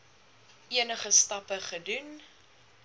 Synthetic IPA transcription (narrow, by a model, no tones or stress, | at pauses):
iənəχəstɐpəχədun